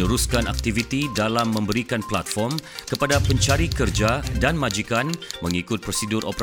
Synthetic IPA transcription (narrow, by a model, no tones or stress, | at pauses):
uɾuskana̰k̚t̪ivit̪idalamːə̃mbəɾikanplat̪̚fɔrmkəpadapəɲt͡ʃaɾikərd͡ʒadanmad͡ʒikanməŋikʊt̪̚pɾosidʊrʔo̰pɾ